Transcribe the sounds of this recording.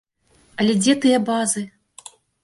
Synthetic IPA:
ɐlʲɛd͡zʲɛt̪ɨjɐbazɨ

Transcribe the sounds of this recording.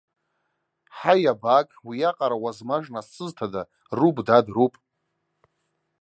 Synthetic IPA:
ħajabakʼwijaqʼaɾawazmaʐnasɨztʰada | rubdadrupʼ

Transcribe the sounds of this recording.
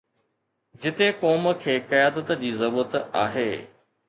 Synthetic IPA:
d͡ʑɪt̪ekɔːmə̆kʰeːkɐjaːd̪ət̪d͡ʑiːzɐɾuːət̪a̰ːɦeː

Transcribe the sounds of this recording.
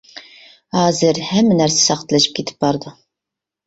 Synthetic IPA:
hɑːzɨɾhɛmːænæɾsɛ̥sɑqt̪ʰlɨʃɪ̥p̚kʲet̪ʰɪ̥p̚bɑɾd̪ɨ

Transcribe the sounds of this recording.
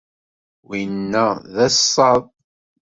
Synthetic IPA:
winːæðæsːɑðˤ

